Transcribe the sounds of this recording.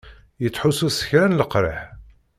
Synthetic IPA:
jət͡sːħʊsusə̥çɾænləqɾə̰ħ

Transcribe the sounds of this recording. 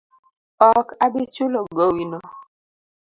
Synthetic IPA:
ɔkabit͡ʃulɔɡowinɔ

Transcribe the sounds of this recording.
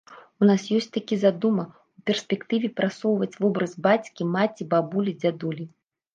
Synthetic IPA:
unasjɔsʲtʲt͡sʲt̪akʲizad̪umɐ | upʲɛrsʲpʲɛkt̪ɨvʲɛpɾʔasɔwvɐt͡sʲvɔbɾɐzbat͡sʲkʲimat͡sʲibabulʲid͡zʲad̪ulʲi

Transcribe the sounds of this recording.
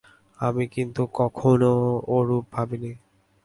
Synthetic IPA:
amikint̪ukɔkʰonooɾup̚bʱabini

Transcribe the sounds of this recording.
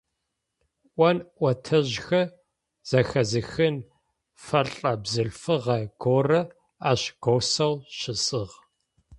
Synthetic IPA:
ʔʷɐnʔʷɔtʰɐʑxɐ | z̥ɐxɐzɨxɨn | fɐɬʼɐbzɨɬfɨʁɐɡ̥oːrɐ | aːɕɡ̥owsɐwɕɪsʼɨʁ

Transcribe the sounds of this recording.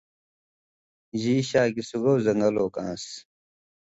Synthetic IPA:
ʑiːɕaːɡisuɡowzɐŋɡɐloːkãːs

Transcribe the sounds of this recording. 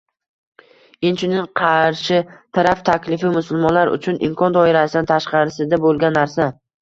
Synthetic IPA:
ɪnt͡ʃʰʊnɪŋqʰɑɾʃɪt̪ʰaɾaft̪ʰakʲlɪfɪmʊsʊlˠmɒnlaɾʊ̰t͡ʃʰʊnɪ̰mkʰɒnd̪ɒɪɾasɪd̪ant̪ʰaʃqɑɾɪsɪd̪abolˠɡʲanːaɾsa

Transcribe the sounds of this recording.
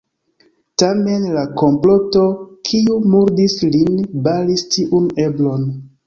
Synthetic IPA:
tame̞nlako̞mplo̞to̞kʰiumuɾdislinbalistiʔune̞blo̞n

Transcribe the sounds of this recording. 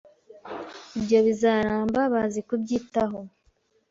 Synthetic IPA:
ibjo̞βizaɾaːmbaβazikubɟiːtaɦo

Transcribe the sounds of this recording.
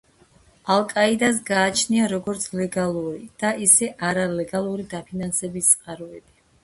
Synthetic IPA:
alˠkʼaid̪as̬ɡaːt͡ʃʰniaɾɔɡɔɾt̪sʰlɛɡalˠuɾid̪̥aʔisɛʔaɾalɛɡalˠuɾid̪apʰinansɛbist̪sʼqʼaɾɔɛb̥i

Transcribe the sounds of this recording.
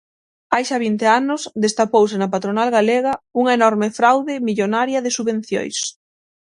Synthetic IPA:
ajʃaβ̞int̪eanʊsðest̪apowsɪnɐpat̪ɾonalɣaleɣɐuŋɐenɔɾmɪfɾawðɪmiʎonaɾjɐðɪsuβẽn̟θjo̰js

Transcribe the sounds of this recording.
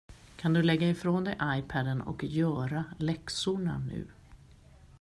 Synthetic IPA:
kʰand̪ɵlɛɡːaɪfɾoːnd̪ɛjʔajpʰad̪ənɔ̰kjœːɾalɛksʊɳa̰nʉ̟̰ː

